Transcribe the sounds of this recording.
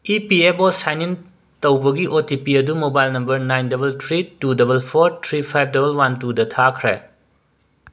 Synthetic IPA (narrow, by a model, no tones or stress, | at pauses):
ipiebosajnin | tɐwbɐɡiʔotipiɐdumobajlnɐmbɐɾnajndɐbɐltʰɾitudɐbɐlpʰoɾtʰɾipʰajb̚dɐbɐlwantudɐtʰakʰɾḛ